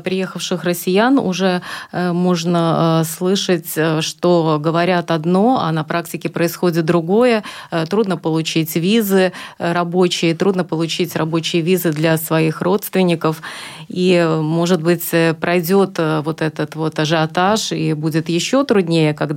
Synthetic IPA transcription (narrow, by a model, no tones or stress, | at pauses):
pɾʲɪjexəfʂɨxrəsʲɪjanʊ̰ʐɛmo̞ʐnəslˠɨʂət͡sʲʂt̪o̞ɡəvɐɾʲat̪ɐd̪no̞ɐ̰nɐpɾaktʲɪkʲɪpɾəɪsxo̞dʲɪt̪̚d̪ɾʊɡo̞jət̪ɾud̪nəpəlˠʊt͡ɕitʲvʲizɨɾɐbo̞t͡ɕɪjət̪ɾud̪nəpəlˠʊt͡ɕitʲrɐbo̞t͡ɕɪjəvʲizɨd̪lʲɐsvɐixro̞t̪st̪vʲɪnʲɪkəfimo̞ʐɨt̪̚bɨt͡sʲpɾɐjdʲo̞t̪vo̞t̪ɛt̪ət̪vo̞t̪ɐʐɨɐt̪aʂibudʲɪt̪jɪɕːo̞t̪ɾʊd̪ʲnʲejəkɐɡ̪